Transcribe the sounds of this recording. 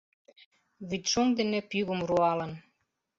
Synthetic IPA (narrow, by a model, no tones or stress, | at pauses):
βyt̪ʃoŋd̪enĕpyɣə̆mruɑlə̆n